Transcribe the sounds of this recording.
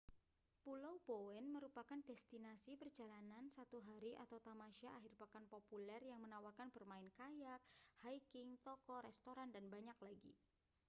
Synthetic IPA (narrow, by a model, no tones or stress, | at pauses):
pulawbowɛnməɾupakandɛst̪inasipər̥d͡ʒalanansat̪uɦaɾiʔat̪awt̪amaʃiaʔaɦɪrpakanpopulɛrjaŋmənawalkanb̥ərmaɪnkajak̚hajkɪŋt̪ɔkɔɾɛst̪oɾandanbaɲak̚laɡḭ